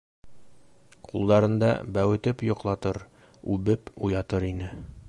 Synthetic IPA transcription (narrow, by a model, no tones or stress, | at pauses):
qulˠd̪ɑɾɤ̆nd̪ɑ̰bæwɘ̆t̪ɘpjŏqlˠɑt̪ɤɾ | ʉbɘpujɑt̪ɤɾinɘ